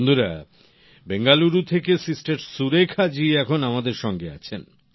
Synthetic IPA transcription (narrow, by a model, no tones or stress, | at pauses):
nd̪uɾa | beŋɡaluɾut̪ʰekesisʈaɾsuɾekʰad͡ʑiɛkʰonamad̪eɾʃɔŋɡea̰t͡ɕʰen